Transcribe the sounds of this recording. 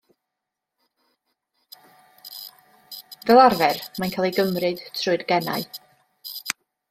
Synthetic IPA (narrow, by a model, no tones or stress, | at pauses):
vɛlˠarvɛrmajnkʰaːlˠejɡəmrɨd̥tʰrʊɨdɡɛna̰ɨ